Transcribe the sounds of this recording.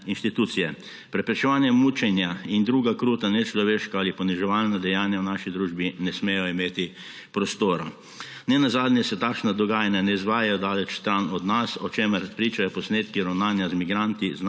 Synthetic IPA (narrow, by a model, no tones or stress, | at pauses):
inʃt̪it̪ut̪sijɛ | pɾɛpɾɛt͡ʃɛʋaːnjɛmuːt͡ʃɛnjaind̪ɾuːɡakɾuːt̪anɛt͡ʃlɔʋeːʃkaalipɔniʒɛʋaːlnad̪ɛjaːnjawnaːʃid̪ɾuːʒbinɛsmeːjɔimeːt̪i | pɾɔst̪oːɾa | nɛnazaːd̪njɛsɛt̪akʃnad̪ɔɡaːjanjanɛizʋaːjajɔd̪aːlɛt͡ʃst̪ɾanɔd̪nasɔt͡ʃeːməɾpɾiːt͡ʃajɔpɔsneːt̪kiɾawnaːnjazmiɡɾant̪izn